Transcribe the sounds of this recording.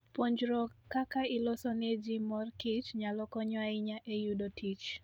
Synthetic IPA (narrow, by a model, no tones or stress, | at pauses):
poɲd͡ʒɾɔkakaɪlɔsɔned͡ʒimɔrkit͡ʃɲalɔkɔɲwaɪɲaʔejudɔtʰit͡ʃ